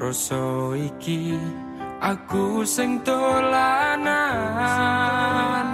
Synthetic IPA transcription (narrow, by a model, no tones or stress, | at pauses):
ɾɔsɔiki | ʔakusɪŋt̪olana | n